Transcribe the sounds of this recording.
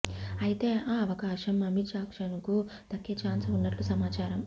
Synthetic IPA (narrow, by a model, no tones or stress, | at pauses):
ɐjit̪e̞ːaːɐʋɐkaːʂɐmɐmit͡ʃaːkʂɐnkud̪̥ɐkːɐt͡ʃaːnsunːɐʈlusɐmaːt͡ʃaːɾɐm